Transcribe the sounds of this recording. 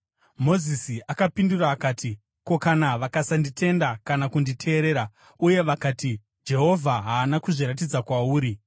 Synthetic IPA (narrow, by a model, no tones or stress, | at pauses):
mo̞zisiakapinduraːkaːtʰi | ko̞kanaʋakasanditʰe̞ndakanakunditʰe̞ːɾeːɾa | uje̞ʋakaːti | d͡ʒe̞ɦo̞vʱaɦaːnakuʐiɾat̬id͡zakwauːɾi